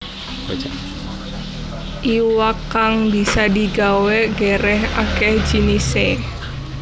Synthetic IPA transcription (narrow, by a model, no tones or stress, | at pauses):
ʔiwakːaŋbisadiɡaweɡeɾɛɦakɛhd͡ʒinise